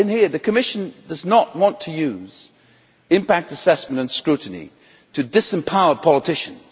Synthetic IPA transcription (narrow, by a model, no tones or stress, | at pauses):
ɨ̃nhiɹðɨkʰɨmɪʃɨ̃ndʌznəʔ̚wɑ̃ntʰɨjʉz̥ | ɨ̃mpæk̚tɨsɛsmə̃ñtɨ̃nskɹʉʔn̩ḭ | ɾʰɨdɪsɨ̃mpʰaʊə˞pʰɑlˠətʰɪʃɨ̃nz̥